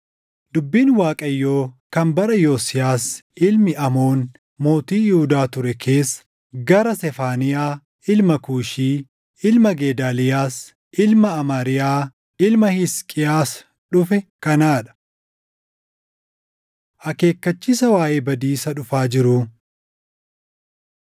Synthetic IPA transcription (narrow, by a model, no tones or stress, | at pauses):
d̪̥ʊbːiːnwaːkʼɐjːo̞ːkɐmbɐɾɐjo̞ːsɪjaːsɪlmɪʔɐmo̞ːn | mo̞ːt̪iːjɪhʊd̪aːt̪ʊɾɛkʰe̞ːsːɐ̥ | ɡɐɾɐsɛfaːnɪjaː | ɪlmɐkuːʃiː | ɪlmɐɡe̞ːd̪aːlɪjaːs | ʔɪlmɐːmaːɾɪjaː | ɪlmɐhɪskʼɪjaːs | ᶑʊfɛkɐnaːᶑɐ̥ | ʔɐke̞ːkːɐt͡ʃːɪsɐwaːʔeːbɐd̪iːsɐᶑʊfaːd͡ʒɪɾʊ